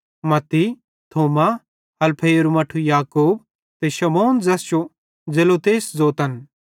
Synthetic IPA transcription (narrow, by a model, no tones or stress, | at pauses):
mɐt̪ːi | t̪ʰoːma | ɐlpʰeːɾumɐʈʰujaːkuːb̚ | t̪eʃɐmoːnd͡zɐsjo | d͡zelot̪eːsd͡zoːt̪ɐn